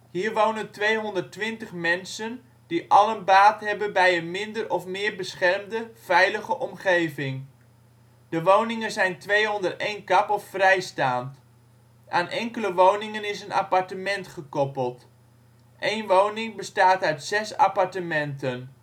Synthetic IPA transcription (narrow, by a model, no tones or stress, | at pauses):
hiːrʋownəntʋejɦɔndərtʋɪntəχmɛnsən | diʔɑlənbaːtɦɛbənbɛjənmɪndərɔfmɪːrbəsχɛrmdəv̥ɛjləχəʔɔmχejvɪŋ | dəʋownɪŋənzɛjntʋejɦɔndərtejnkɑpɔffrɛjstaːnt | ʔaːnʔɛŋkələʋownɪŋənɪsəna̰pɑɹtəmɛntχəkɔpəlˠt | ʔejnʋownɪŋbəstaːtœɥtsɛsa̰pɑɹtəmɛntən